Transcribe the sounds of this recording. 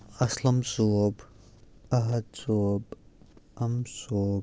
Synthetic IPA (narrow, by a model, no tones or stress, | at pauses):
ɐslɐmsuoːb | ɐɦɐd̪soːb | ɐmsoːb